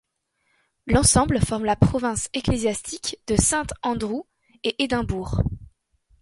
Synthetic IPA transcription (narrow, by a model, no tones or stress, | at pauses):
lɑ̃sɑ̃bləfɔʁmlapχɔvɛ̃seklezjast̪ʰikd̪̥əsɛ̃t̪ɑ̃d̪ʁu | eʔed̪ɛ̃buːʁ